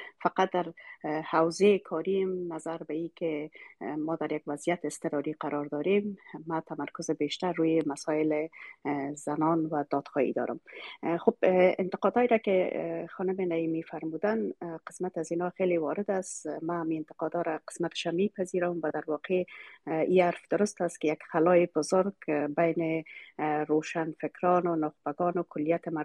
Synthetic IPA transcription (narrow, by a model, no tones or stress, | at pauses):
faqat̪̚d̪aɾhawzekʰɔɾimnazaɾbaikɪ | mɔd̪aɾjaɡwazijat̪ɪɪst̪ɪɾɔɾiqaɾʔɔɾd̪ɔɾemːat̪ʰamaɾkʊzɪbeʃt̪aɾːujemasɔɪlɪ | z̥anɔnwad̪̥ɔd̪̥xɔhḭd̪ɔ̰ɾʊ̰mxobɪ̰nt̪ɪ̥qɔd̪ɔjɾakɪxɔnʊmɪnaimifaɾmud̪anqɪ̥smat̪azinɔxelewɔɾɪd̪asmaːmiɪnt̪ɪ̥qɔd̪ɔɾaqɪ̥smat̪ɪ̥ʃamepaziɾʊmwad̪aɾwɔqe | iaɾfd̪ʊɾʊst̪askɪjaɡxalɔjɪbʊzʊɾɡbajnɪ | ɾoʃanfɪkɾɔnʊnʊxb̥aɡɔnʊkʰʊlːijat̪ɪma